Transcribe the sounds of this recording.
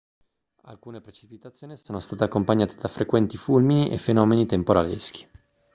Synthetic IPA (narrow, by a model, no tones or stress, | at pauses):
a̰lkuːnepɾet͡ʃipit̪at̪sːjoːnisoːnost̪aːt̪akːompaɲːaːt̪ed̪afɾʔekwɛnt̪ifulminiʔefenɔːmenit̪empoɾalḛsk̟i̥